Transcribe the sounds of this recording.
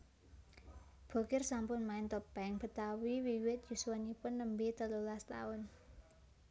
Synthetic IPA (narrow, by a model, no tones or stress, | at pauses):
b̥o̤kɪrsampʊnmaɪnt̪ɔpɛŋb̥ə̤t̪awiwiwɪt̪̚juswanipʊnːəmbet̪əlolast̪a̰ʊn